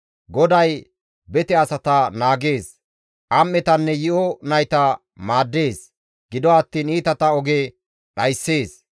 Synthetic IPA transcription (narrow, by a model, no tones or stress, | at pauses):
ɡɔd̪ɐj | bɛt̪ɛɐsɐt̪ɐnaːɡe̞ːs | ʔɐmːɛt̪ɐnːɛjɪʔɔnɐjt̪ɐ | maːd̪ːe̞ːs | ɡ̥ɪd̪ɔɐt̪ːiːniːt̪ɐt̪ɐɔɡe | ɗɐjsːeːs